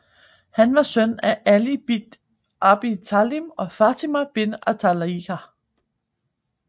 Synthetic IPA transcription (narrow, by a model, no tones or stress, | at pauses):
hænʋɑ̈sœnæʔælib̥id̥ | ʔɑb̥it͡sʰælimɒ̽fæt͡sʰimæb̥e̝næt͡sʰælikæ